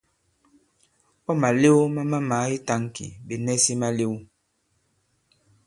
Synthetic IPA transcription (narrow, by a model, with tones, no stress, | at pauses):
pɔ˦ma˨le˦o˦ma˦ma˦ma˨˦i˦ta˦ŋ˨kḭ˨be˨nɛ˦si˦ma˦le˦wu˦